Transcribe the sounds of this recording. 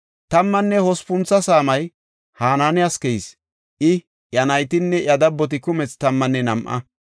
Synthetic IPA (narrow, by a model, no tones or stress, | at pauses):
t̪ɐmːɐnːɛhɔspʊnt͡sːɐsaːmɐj | haːnaːnɪɐskɛjs | ʔɪ | jɐnɐjt̪ɪnːɛʔjɐd̪ɐbːɔt̪ɪkʊmɛt͡st̪ɐmːɐnːɛnɐmʔɐ̰